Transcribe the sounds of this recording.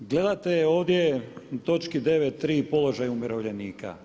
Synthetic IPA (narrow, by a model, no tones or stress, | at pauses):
ɡle̞d̪at̪eo̞ːʋd̪jet̪o̞t͡ʃkid̪e̞ʋet̪ːɾiːpo̞lo̞ʒajumeɾo̞ʋʎeniːkʰa̰